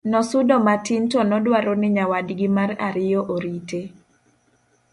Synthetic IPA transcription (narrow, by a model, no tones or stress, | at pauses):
nɔsʊdɔmatintɔnɔdwaɾonɪɲawadɡɪmaraɾɪjɔʔoɾite